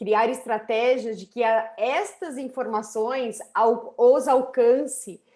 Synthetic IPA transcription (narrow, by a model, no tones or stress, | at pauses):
kɾiaɾɪst̪ɾat̪ɛʒiɐzd͡ʒɪkɪaɛst̪ɐzĩfoɾmasõj̃sawowzawkɐ̃sɪ